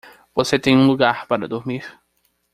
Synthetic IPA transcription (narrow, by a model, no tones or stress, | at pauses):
voset̪ẽj̃ũluɡaɾpaɾɐ̰d̪oɾmiɾ